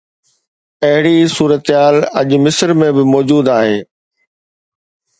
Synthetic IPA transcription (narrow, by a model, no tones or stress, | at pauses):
ɐɦɪɽisuːɾət̪ɦaːlɐ̰ʄmɪsəɾmẽbɪmɔːd͡ʑuːd̪aːɦeː